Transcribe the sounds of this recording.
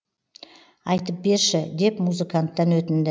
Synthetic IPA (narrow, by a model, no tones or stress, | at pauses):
ɑjt̪əp̚be̞ɾʃɪd̪e̞pmuzəkant̪ːɑnwɵt̪ɪnd̪ɪ